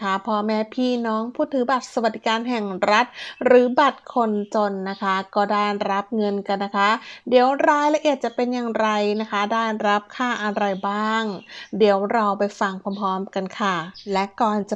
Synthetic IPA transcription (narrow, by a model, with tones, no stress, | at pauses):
kʰa˦˥pʰɔː˧mɛː˦˥pʰiː˥˩nɔː˦˥ŋpʰuː˥˩t̪ʰːɯː˩˦ba˨˩t̪̚sa˧wa˨˩d̪i˨˦˧kaː˧nɦɛ˨˩ŋɾa˦˥t̪̚ɾɯː˩˦ba˨˩t̪̚kʰo˧nt͡ɕo˧nːa˦˥kʰa˦˥kɔː˥˩daː˥˩jɾa˦˥p̚ŋɤ˧nka˧nːa˦˥kʰa˦˥diː˨˩˦wɾaː˦˥jla˧ʔi˨˩ət̪̚t͡ɕa˨˩pe˧njaː˨˩ŋɾa˧jna˦˥kʰa˦˥daː˥˩jɾa˦˥p̚kʰaː˥˩ʔa˧nɾa˧jbaː˥˩ŋdi˩˦wɾa˧wpa˧jfa˧ŋpʰɔː˧mpʰɔː˦˥mka˧nkʰa˥˩lɛ˦˥kɔː˨˩nt͡ɕa˨˩